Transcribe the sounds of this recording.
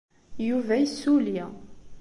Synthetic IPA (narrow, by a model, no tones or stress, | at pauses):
juvæjisːuli